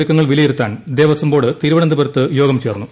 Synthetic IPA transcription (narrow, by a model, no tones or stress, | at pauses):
ikːɐŋːɐɭʋilɐjiɾut̪ːaːnd̪eːʋɐsɐmbo̞ːɽɨt̪iɾuʋɐɳɐnd̪ibɐɾɐt̪ːɨjo̞ːɡɐmt͡ɕeːrnːu